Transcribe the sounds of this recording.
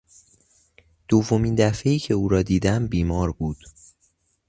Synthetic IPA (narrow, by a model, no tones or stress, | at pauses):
d̪̥ovːo̞miːnd̪æfe̞iːcʰe̞uːɾɒːd̪iːd̪æmbiːmɒːɾbuːd̪̥